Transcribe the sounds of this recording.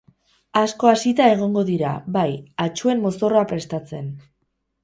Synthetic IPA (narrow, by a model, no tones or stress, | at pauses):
asko̞asit̪ae̞ɣ̞o̞ŋɡo̞ðiɾa̰βajat͡ʃue̞mmo̞so̞roapɾe̞st̪at͡se̞n